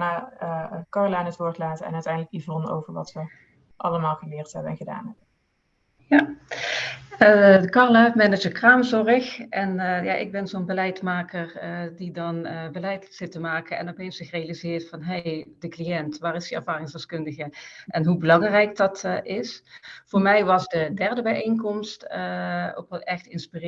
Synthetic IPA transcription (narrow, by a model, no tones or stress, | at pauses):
na | kɑɹlaːnətʋʊːɹtlaːtəɛ̰nœɥtɛjndələkivɔno̰wvəɹʋɑ̰tʋə | ʔɑləmaːlˠɣəlɪːɹtɦɛbənɛnχəda̰ːnɦɛbən | ja | ədəkɑɹlamɛnəd͡ʒəkraːmzɔrəxʔɛnja̰ːʔɪ̰ɡ̚bɛnzoːnbəlɛjtmaːkəɹdidɑnbəlɛjtz̥ɪtəmaːkənɛ̰nɔpejnsɪxrejalizɪːɹtfɑnɦejd̥əklijɛntʋaːɹɪsdiɛɹvaːrɪŋsdɛskɵndəɣəʔɛnɦubəlɑŋrɛjkdɑtɪsv̥oːɹmɛjʋɑzdədɛɹdəbɛjejŋkɔmstəo̰ptɛxtɪnspir